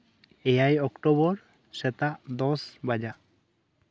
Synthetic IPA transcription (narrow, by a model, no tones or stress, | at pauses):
ɛjajɔkʈobɔɾ | sɛt̪aʔd̪ɔsbad͡ʒaʔ